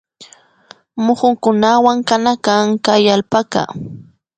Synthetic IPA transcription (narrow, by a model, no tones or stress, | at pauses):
mʊχʊŋkʊnawaŋkanakaŋkajalpaka̰